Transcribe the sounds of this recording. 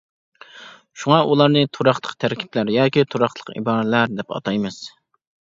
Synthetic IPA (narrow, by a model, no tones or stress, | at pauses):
ʃuŋɑʔulˠɑɾnɨt̪ʰuɾɑχlˠə̥qt̪ʰæɾkʲʰi̥plæɾjɑːkʲit̪ʰoɾɑχˠəqḭbɑːɾlæɾd̪ɛpɑ̰t̪ɑjmɨz̥